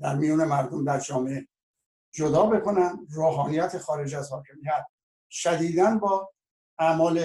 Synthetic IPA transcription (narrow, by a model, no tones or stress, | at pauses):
d̪æɾmijuːne̞mæɾd̪omd̪æɾd͡ʒɒːmee | d͡ʒod̪ɒːbe̞kʰo̞nænd̪roːɦɒːnijæt̪ʰexɒːɾe̞d͡ʒæzhɒːkʰe̞mijæt̪̚ | ʃæd̪iːd̪ænbɒː | æmɒːle